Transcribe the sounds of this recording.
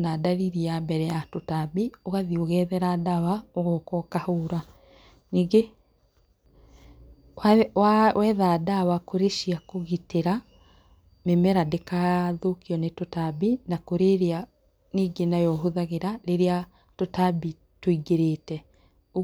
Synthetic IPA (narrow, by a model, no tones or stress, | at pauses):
nadaɾiɾiambɛɾɛjatotabioɣaðioɣɛðɛɾadawaoɣɔkɔkahoːɾa | niːɡe | awɛːðaːdawakoɾeʃiakoɣiteɾa | memɛɾadekaðokiɔnetotabinakoɾeɾea | niːɡenajɔɦoðaɣeɾaɾeɾea | totabi | twoiɡeɾeːtɛ | o